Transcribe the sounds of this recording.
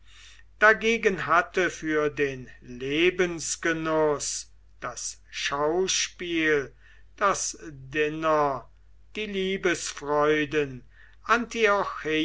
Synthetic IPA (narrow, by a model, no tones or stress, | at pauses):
d̥aɡeːɡənɦatəfyːɐdeːnleːbənsɡ̥ənʊs | d̥asʃaʊʃpiːl | d̥asdɪnɐ | d̥iːliːbəsfʁɔʏdən | ʔantiɔxe